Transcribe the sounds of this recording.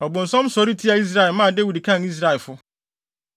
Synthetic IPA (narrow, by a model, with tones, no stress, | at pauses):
ɔ˨bʊ̃˨n̩˨sɔ̃˦m˦sɔ˨˦ɾi˦tʰi˦a˨i˦s̬ɾa˦ɛ˨lmã˦˨de˦wi˨dkʰã˦˨ni˦s̬ɾa˦ɛ˨lfʊ˦